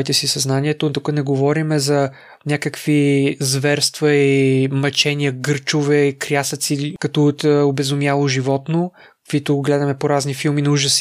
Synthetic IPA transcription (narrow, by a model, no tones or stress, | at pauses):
it̪ɛsisɐznaniɛt̪ot̪ukənɛɡovɔɾimɛzɐ | nʲakəkvizvɛɾst̪vɐimɐt͡ʃɛniəɡɤɾt͡ʃovɛikɾjasɐt̪sikɐt̪ɔt̪obɛzʊmjalˠoʒivɔt̪no | kkvit̪ʊɡlɛd̪ɐmɛpoɾaznifilˠminɐuʒəs